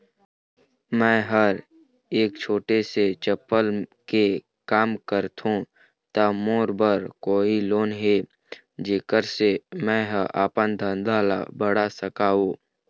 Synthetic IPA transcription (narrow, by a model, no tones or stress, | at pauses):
mɛ̃ːɦəɾ | eːk̚t͡ʃʰoːʈeset͡ʃəpːəlke | kaːmkəɾt̪ʰũ | t̪amoːɾbəɾkoːiloːnɦe | d͡ʒeːkəɾsemɛ̃ːɦʔaːpənd̪ʱənd̪ʱaːla̰bəɽ̤asəkaːɦoː